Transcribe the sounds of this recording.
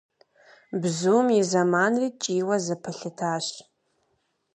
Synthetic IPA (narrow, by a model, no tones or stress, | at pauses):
bzuːmizamanriːt͡ʃʼiːwɐzɨpʰɨɬɨtʰaːʃ